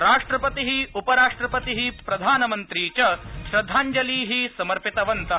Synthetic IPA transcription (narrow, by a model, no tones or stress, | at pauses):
ɾaːʂʈɾɐpɐt̪iɦiupɐɾaːʂʈɾɐpɐt̪iɦipɾɐd̪ʱaːnɐmɐnt̪ɾiːt͡ʃɐʃɾɐd̪ʱːaːɲd͡ʒɐliːɦisɐmɐɾpit̪ɐʋɐnt̪ɐ